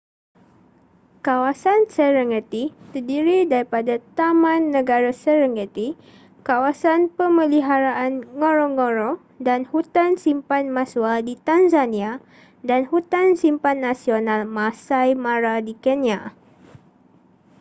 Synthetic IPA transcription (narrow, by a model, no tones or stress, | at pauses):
kawasansəɾəŋɡət̪it̪ərdiɾidaɾipadat̪amãnːə̃ɡaɾasəɾəŋɡət̪i | kawasanpəmə̃liɦaɾaʔanŋoɾoŋoɾo | danhut̪ansimpanmãswadit̪anzanĩa | danhut̪ansimpanːasionalmãsajmãɾadikɛnia